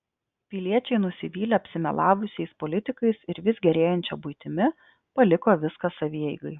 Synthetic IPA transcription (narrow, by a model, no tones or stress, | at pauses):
pʲɪlʲiɛt͡ʃʲɛɪnʊsʲɪʋʲiːlʲeɐpʲsʲɪmʲɛ̰lˠɑːʋʊsʲɛɪspolʲɪt̪ʲɪkɐɪsɪɾʋʲɪszɡʲɛɾʲeːjɛnʲt͡ʃʲɛbʊɪt̪ʲɪmʲɪ | pɐlʲɪkoːʋʲɪskɐsɐʋʲiːɛɪɡɐɪ